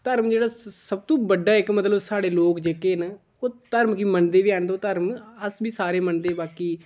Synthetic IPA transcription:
t̪əɾmd͡ʒeːɽaːsəb̚t̪õːbəɖaːɪkmət̪ləbsaːɽeːloːkd͡ʒeːkeːna | oːt̪əɾmkiːmənd̪eːʋiːaːnd̪oːt̪əɾməsbiːsaːɾeːmənd̪eːbaːkiː

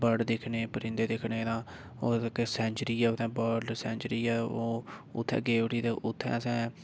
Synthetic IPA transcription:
bəɖd̪ɪkʰneːpəɾɪ̃nd̪eːd̪ɪkʰneːd̪ãː | oːkːsɛ̃ːɲt͡ʃəɾiːɛːʊt̪ʰːɛ̃ːbəːɖsɛ̃ːɲt͡ʃəɾiːɛːoːʊt̪ʰːɛ̰̃ːɡeːʋəʈiːt̪eːʔʊt̪ʰːɛ̰̃ːəsɛ̃ː

